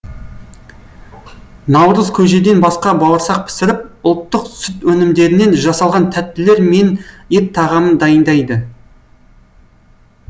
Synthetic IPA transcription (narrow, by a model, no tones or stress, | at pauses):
nɑwɾəzkʲʰɵʒe̞d̪e̞nbɑsqɑbɑlˠəɾsɑq̚pʰɪ̥sɪɾɪp̚ʊlˠt̪ːəqsʏt̪wɵnɪmd̪e̞ɾɪne̞nʒɑsɑlˠʁɑnt̪ʰæt̪ːɪle̞ɾme̞net̚t̪ʰːɑʁɑmənd̪ɑjənd̪ɑjd̪ə